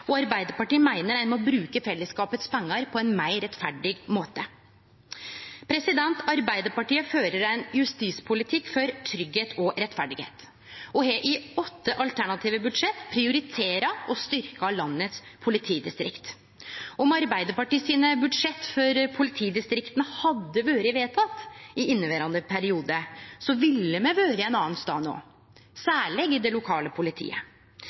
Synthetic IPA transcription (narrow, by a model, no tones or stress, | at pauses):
ɔɑɾbæɪd̪əɾpɑʈiːmæɪnəɾæɪnmɔbɾʉːkəfɛlːəskɑːpət̪spʰɛŋːɑɾpʰɔɛnmæɪɾɛt̪fæɖɪɡmoːt̪ə | pʰɾɛsɪd̪ɛnt̪ʰɑɾbæɪd̪əɾpɑʈiːəføːɾəɾæɪnjʉst̪iːspʰʊlɪt̪ʰɪkːfɔɾt̪ʰɾʏɡheːt̪ʰɔɾɛt̪fæɖɪɡḛːt̪ | ɔɦɛʔɪɔt̪ːəʔɑlt̪ʰæɳɑt̪ʰiːʋəbʉd̪ʂɛt̪pʰɾɪʊɾɪt̪ʰeːɾɑɔst̪ʏɾkɑlɑnːət̪spʰʊlɪt̪ʰiːd̪ɪst̪ɾɪkt̪ | ɔmɑɾbæɪd̪əɾpɑʈiːsiːnəbʉd̪ʂɛt̪ːfɔɾpʰʊlɪt̪ʰiːd̪ɪst̪ɾɪkt̪ənəhɑd̪ːəʋøːɾəʋeːt̪ʰɑt̪ːɪʔɪnːəʋeːɾɑnd̪əpʰæɾɪuːd̪əsɔʋɪlːəmɛʋøːɾəɛnɑːnst̪ɑ̰ːno̰ː | sæːɭɛɡɪd̪ɛlʊkʰɑːləpʰʊlɪt̪ʰḭːə̰